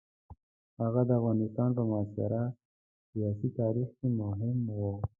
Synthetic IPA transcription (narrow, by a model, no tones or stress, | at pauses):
haɣad̪əafɣɑːnɪst̪ɑːnpəmʊasɪ̰ɾa | sijɑːsit̪ɑːɾixkemʊɦɪmwo